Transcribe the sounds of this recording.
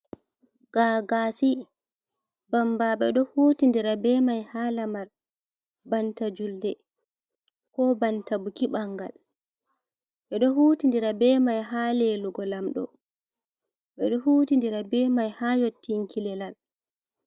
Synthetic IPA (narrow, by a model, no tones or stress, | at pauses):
ɡ̥aɡasi | bambaɓɛ̰ɗɔhuːtindiɾabɛmajhalamaɾ | bantad͡ʒuldɛ | kɔbantabukiɓaŋɡa̰l | ɓɛɗɔɦuːtindiɾabɛːmajɦaleluɡɔlamɗɔ̰ | ɓɛɗɔhuːtindiɾabɛmajhajotːiŋkʰilɛlal